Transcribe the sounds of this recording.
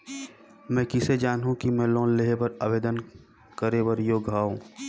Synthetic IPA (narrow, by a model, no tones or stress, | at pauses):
mɛ̃ːkɪsed͡ʒaːnɦũkimɛ̃lɔ̃ːnleɦepɐɾaːbeːd̪ən | kəɾeʋəɾjoːɡʱaːũ